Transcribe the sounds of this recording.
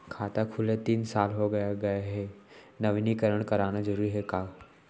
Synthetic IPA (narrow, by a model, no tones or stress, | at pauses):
kʰaːt̪akʰʊlet̪iːnsaːlɦoɡɐjaɡɐjaɦe | nɐʋnikɐɾəɽ̃kɐɾaːñad͡ʒɐɾuːɾiɦɛkaː